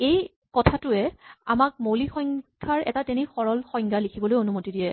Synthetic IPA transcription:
ej | kɔtʰatʊɛa̰mak̚molixɔŋɡʰʱaɹɛ̰tatenixɔɹɔlxɔjŋɡʱalikʰibɔlojonumotidijɛ

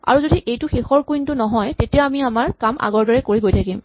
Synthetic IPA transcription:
a̰ɹuzodiʔejtʊxexɔɹkuintʊnɔɦɔjtetijaamiamaɹkamʔa̰ɡɔɹdɔɹɛkoɹiɡojtʰakim

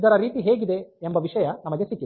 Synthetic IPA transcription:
d̪ɐɾɐɾiːt̪iɦeːɡid̪e̞embɐʋiʂɐjɐnɐmɐɡesikːi

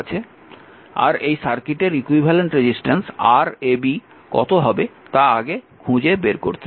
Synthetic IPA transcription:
t͡ɕʰe | a̰ɾejsaɾkiʈeɾikuibʱaleɳʈɾed͡ʑisʈensaɾebi | kɔ̰t̪oɦɔbet̪aaɡe | kʰũd͡ʑebeɾko̰ɾt̪ʰe

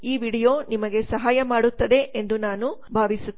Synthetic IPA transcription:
iːʋiːɽijo̞ːnimɐɡe̞sɐɦaːjɐmaːɽut̪ːɐd̪e̞ʔend̪unaːnubʱaːʋisu

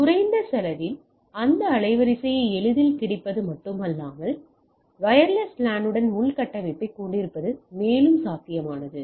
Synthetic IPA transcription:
t̪ʊɾɐɪnd̪ɐsɐlɐʋɪl | ɐnd̪ɐːɭɐɪʋɐɾɪsɐjɐɛɭɯðɪlkɪɽɪpːɐðɯmɐʈːɯmɐlːaːmɐl | ʋɐjɐɾlɐslaːnɯɽɐnmʊɭkɐʈːɐʋɐɪpːɐɪkːuːɳɖɪɾɯpːɐðɯmeːlɯmsaːk̪ɪjɐmaːnɐðɯ

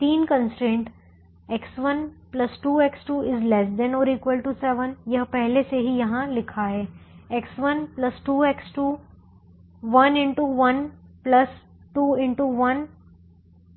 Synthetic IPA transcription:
t̪iːnkə̃nsʈɾẽːɳʈ | ɛksʋɐnplɐsʈuːeksʈuːɪzlɛsd̪ɛ̃nɔːɾiːkʋəlʈusɛʋənjɐɦpɛɦleseɦijɐɦãlɪkʰaɦɛːɛksʋɐnplɐsʈuːeksʈuː | ʋɐnɪ̃ɳʈuʋɐnplɐs | ʈuːɪ̃ɳʈuʋɐn

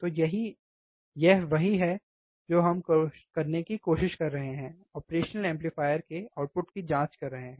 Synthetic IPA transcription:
t̪oːjɐɦi | jɛɦʋɐɦiɦɛ | d͡ʒoːɦɐmkokɐɾnekikoːʃɪʃkɐɾːɐɦeɦɛ̃ː | ɔːpɾeːʃnəlɛ̃ːmplifaːjəɾkeaːʈ̚pʊʈkid͡ʒãːt͡ʃkɐɾːɐɦeɦɛ̃ː

